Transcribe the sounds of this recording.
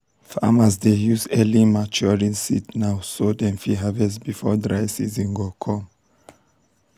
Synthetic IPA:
fa̰mas̬dejuzɛlĩmat͡ʃɔɹĩnsitnawsodɛ̃nfiɦavɛs̬bifɔ̰dɹajsizĩŋɡɔkʰɔ̃m

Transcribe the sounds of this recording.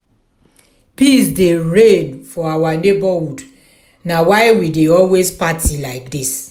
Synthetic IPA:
pisdeɹẽnfɔawanebɔhud | nawaɪwideɔlwezpatʰilaɪkdis

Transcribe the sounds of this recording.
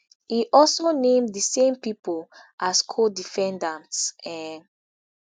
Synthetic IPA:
iʔɔlsonẽmdðəsẽmpipolʔaskʰodifɛ̃ndãnsɛn

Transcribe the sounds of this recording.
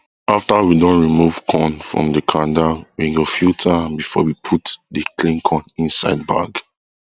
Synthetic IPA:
aftawidɔ̃nɹimuv̥kʰɔ̃nfɹɔ̰̃mdəkʰãdawiɡofjutʰabifɔ̰wipʰutdəklĩnkʰɔ̃nĩnsa̰ɪd̚ba̰ɡ

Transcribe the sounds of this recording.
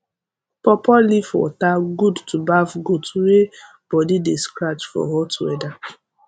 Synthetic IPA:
pɔpɔlifɔ̰taɡudtubavɡotuwe | b̥ɔdideskɹat͡ʃfɔ̰ɦɔtʰuɡɛda

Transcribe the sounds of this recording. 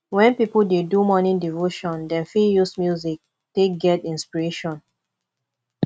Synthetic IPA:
wɛ̃npipuldedumɔ̃nĩdivoʃɔ̃ndɛ̃nfijusmjuzik̚ | tek̚ɡɛtĩnspiɹeʃɔ̃n

